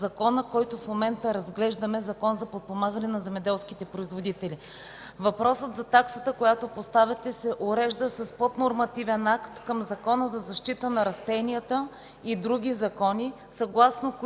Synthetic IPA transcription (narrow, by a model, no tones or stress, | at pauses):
zɐkɔnəkɔjt̪ofmomɛnt̪əɾɐzɡlɛʒd̪ɐmɛzɐkɔnzɐpot̪̚pomaɡənɛnɐzɛmɛd̪ɛlˠsk̟it̪ɛpɾoizvod̪it̪ɛli | vɐpɾɔsət̪zɐt̪aksət̪əkojat̪opost̪avʲɛt̪ɛsɛʔoɾɛʒd̪əsɐspod̪noɾmɐt̪ivɛnakt̪kəmzɐkɔnəzɐzɐʃt̪it̪ənɐɾɐst̪ɛniət̪ə | id̪ɾuɡ̟ʲizɐkɔni | sɐɡlˠasnok